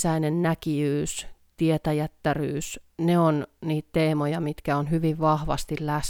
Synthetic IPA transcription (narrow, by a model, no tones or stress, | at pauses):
sæinennækiyːst̪iet̪æjæt̪ːæryːsneonniːt̪t̪eːmojɑmit̪kæonhyʋiʋʋɑhʋɑ̰st̪illæs